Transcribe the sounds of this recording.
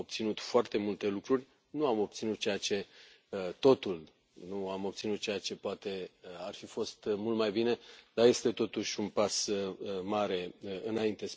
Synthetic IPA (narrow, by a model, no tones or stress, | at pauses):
ob̚t̪sinut̪foart̪e̞mult̪e̞lukɾurʲ | nuamo̞b̚t̪sinut̪̚t͡ʃejat͡ʃe̞ | t̪o̞t̪ul | nuamo̞b̚t̪sinut̪̚t͡ʃe̞jat͡ʃe̞poat̪e̞arfifo̞st̪mult̪majbine̞d̪aje̞st̪e̞t̪o̞t̪uʃʲunpasmaɾe̞ɨnaint̪es